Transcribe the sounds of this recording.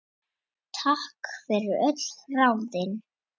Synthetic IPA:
t̪ʰahkfɪɾʏɾœt̪l̥rawðɪn

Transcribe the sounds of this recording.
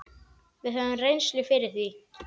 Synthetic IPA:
vɪðɦɛvʏmrejnslɪfɪɾɪɾ̥θi

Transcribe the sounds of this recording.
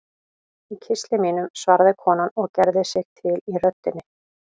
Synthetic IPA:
icʰɪst̪lɪmiːnʏmsvaɾðɪkʰɔːnanɔɣcɛɾðɪsɪxt̪ʰɪlirœt̪ːɪnːɪ

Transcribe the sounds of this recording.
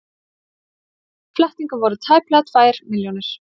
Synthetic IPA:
flɛht̪iŋkʏvɔɾʏt̪ʰaːjplat̪faːjɾmɪljɔwnɪɾ̥

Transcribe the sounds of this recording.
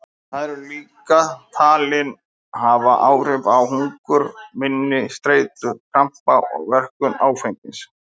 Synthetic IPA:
θaðɛɾɛɾliːkat̪ʰaːlɪn | havaʔaːwr̥ɪpawhuŋkʏɾmɪnːɪst̪ɾeːjt̪ʏfʰɾam̥pawɔ̰ɣvɛr̥kʏnaːwfejŋkɪns

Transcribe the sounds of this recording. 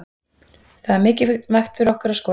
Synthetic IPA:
θaðaɾmɪːcɪvɛxt̪fɪɾɔhkʏɾaðskɔː

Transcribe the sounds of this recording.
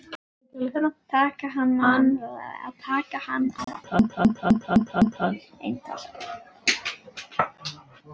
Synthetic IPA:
t̪ɛlɪkɛnat̪ʰaːkaɦanːana̰ðt̪ʰaːkahanːa̰ðt̪ʰant̪ʰant̪ʰant̪ʰant̪ʰant̪ʰan | ḛjnt̪ʰa̰l

